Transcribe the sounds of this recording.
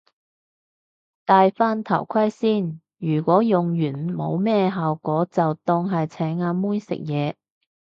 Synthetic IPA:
t̪aː˨jfaː˥nt̪ʰɐ˨˩wkʷʰɐ˥jsiː˥˩n | jyː˨˩kʷɔː˨˥jʊ˨ŋjyː˨˩nmo˨˧wmɛː˥ɦaː˨wkɔː˨˥t͡sɐ˨wt̪ɔː˧ŋɦɐ˨jt͡sʰɛː˨˥ŋaː˧muː˥nsɪ̰˨k̚jɛː˨˧

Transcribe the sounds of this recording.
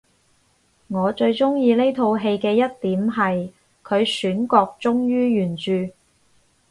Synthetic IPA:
ŋɔː˨˧t͡ʃɵ˧ɥt͡ʃʊ˥ŋjiː˧ne˥jt̪ʰo˧wɦe˧jkɛː˧jɐ˥t̚t̪iː˨˥mɦɐ˨j | kʰɵ˨˧ɥsyː˨˥nkɔː˧k̚t͡sʊ˥ŋjyː˥jyː˨˩nt͡ʃyː˨

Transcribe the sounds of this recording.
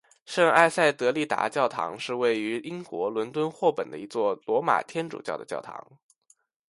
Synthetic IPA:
ʂɤ˥˧ŋa˥˧ɪsa˥˩ɪt̪ɤ˧˥li˥˩t̪a̰˧˥t͡ɕjɑ˥˩ʊt̪ʰɑ̰˧˥ŋʂɻ̩˥˧we˥˩ɪy˧˥i˥ŋkwɔ˧˥lwə˧˥nt̪wə˥nxwɔ˥˩pə˨˩nd̪ə̰˦i˧˥t͡swɔ˥˩lwɔ˧˥ma̰˨˩t̪ʰjɛ˥nʈ͡ʂṵ˨˩t͡ɕjɑ˥˩ʊd̪ə˩t͡ɕjɑ˥˩ʊt̪ʰɑ̰˧˥ŋ

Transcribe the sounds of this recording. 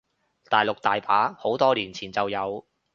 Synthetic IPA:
t̪aː˨jlʊ˨k̚t̪aː˨jpaː˨˥ho˨˥wt̪ɔː˥liː˨˩nt͡sʰiː˨˩nt͡sɐ˨wjɐ˨˧w

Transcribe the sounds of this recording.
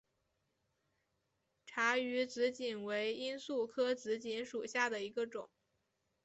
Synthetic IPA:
ʈ͡ʂʰa˧˥y˧˥t͡sɹ̩˧˥t͡ɕi˨˩nwe˧˥ɪi˥nsu˥˩kʰɤ˥t͡sɹ̩˧˥t͡ɕi˧˥nʂu˨˩ɕja˥˩d̪ə˩i˧˥ɡə˧ʈ͡ʂʊ̰˨˩˦ŋ

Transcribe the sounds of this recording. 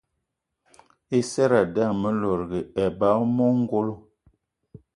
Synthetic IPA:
e˦sɛ˦ɾa˨da˦˨mə˦lɔ˨ɾɡə˨ɛ˨ba˨˦mɔ˦ŋ˦ɡo˦lo˦

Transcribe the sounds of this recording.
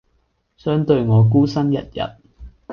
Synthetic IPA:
sœː˥ŋt̪ɵ˧ɥŋɔː˨˧k̬uː˥sɐ˥njɐ̰˨t̚jɐ̰˨t̚

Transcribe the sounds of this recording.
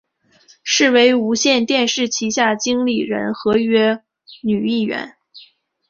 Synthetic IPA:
ʂɻ̩˥˩we˧˥ɪu˧˥ɕjɛ˥˧nt̪jɛ˥˧nʂɻ̩˥˩t͡ɕʰi˧˥ɕja˥˩t͡ɕi˥ŋli˨˩ɻə̰˧˥nxɤ˧˥ɥɛ˥ | ny˨˩i˥˩ɥɛ̰˧˥n

